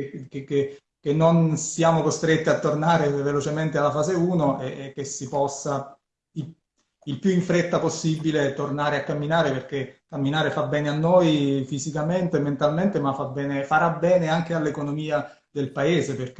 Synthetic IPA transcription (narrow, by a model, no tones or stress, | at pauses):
kekːe | k̟ːenːonsiaːmokost̪ɾet̪ːiat̪ːornaːɾevelot͡ʃement̪ealːafaːzeuːnoʔɛk̟ːesːipɔsːa | i | ilpjuiɱfɾet̪ːaposːibːilet̪ornaːɾeakːamːinaːɾeperk̟ekːamːinaːɾefabːɛːneanːojfizikament̪ement̪alment̪emafabːɛːnefaɾabːɛːneaŋk̟ealːekonomiːa | d̪elpaeːzeperk